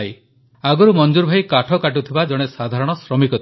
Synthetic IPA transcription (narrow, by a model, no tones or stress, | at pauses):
j | aɡɔɾumɔnd͡ʒuɾbʱajkaʈʰɔkaʈ̬ut̪ʰibad͡ʒɔɽ̃esad̪ʱaɾɔɽ̃ɔsɾɔmikɔt̪